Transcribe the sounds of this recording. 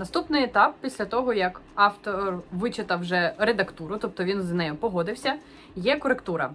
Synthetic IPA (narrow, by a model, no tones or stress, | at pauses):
nɐst̪upnɪjet̪ɑp̚pʲisʲlʲɐt̪ɔɦɔjɐk | ɑft̪ɔrʋɪt͡ʃɪt̪ɐwʒɛred̪ɐkt̪uɾʊt̪ɔp̚t̪ɔʋʲinznɛjɔpɔɦɔd̪ɪwsʲɐ | jɛkɔɾekt̪uɾɐ